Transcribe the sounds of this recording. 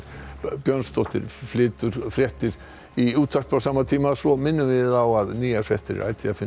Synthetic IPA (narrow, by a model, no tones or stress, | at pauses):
bjœnst̪ɔht̪ɪ̰ɾflɪːt̪ʏɾ̥fɾjɛht̪ɪɾ | iuːt̪ʰfakpawsaːmat̪ʰiːmasɔmɪnːʏmvɪðawaðniːafɾjɛht̪ɪɾ̰a̰jt̪ʰɪafɪ